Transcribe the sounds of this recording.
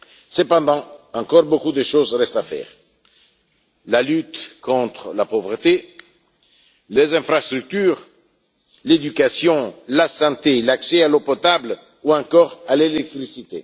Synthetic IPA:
səpɑ̃d̪ɑ̃ɑ̃ŋkɔʁbokud̪əʃozʁɛst̪afɛ̰ːʁ | lalyt̪kɔ̃t̪χlapovʁət̪e | lezɛ̃fɾast̪ʁyk̚t̪yːʁ | led̪ykasjɔ̃lasɑ̃t̪elaksɛalopɔt̪abl | uɑ̃kɔːʁalelɛk̚t̪χisit̪ḛ

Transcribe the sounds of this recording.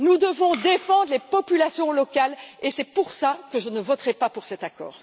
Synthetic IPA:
nud̪əvɔ̃d̪efɑ̃d̪ʁlepɔpylasjɔ̃lɔkalesɛpuʁsakəʒənəvɔt̪ʁɛpapuʁsɛt̪akɔ̰ːʁ

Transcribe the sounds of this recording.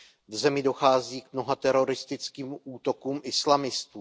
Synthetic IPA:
vzɛmɪdo̞xaːziːkmno̞ɦat̪ɛɾo̞ɾɪst̪ɪt͡skiːmʔuːt̪o̞kuːmʔɪslamɪst̪uː

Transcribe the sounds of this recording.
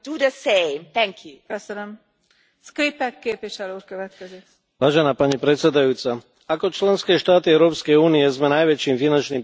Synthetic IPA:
duðəsẽɪmt̪ʰɛŋkʰjukøsənøm | skɾipɛkːeːpʋiʃɛluːɾkøʋɛt̪kkɛzik | ʋaːʒɛnaːpaɲipɾɛt̪sɛd̪ajuːt͡sa | akɔt͡ʃlɛnskɛːʃt̪aːt̪iɛʊɾɔːpskɛjuːniɛzmɛnajʋɛt͡ʃiːmfinant͡ʃniːm

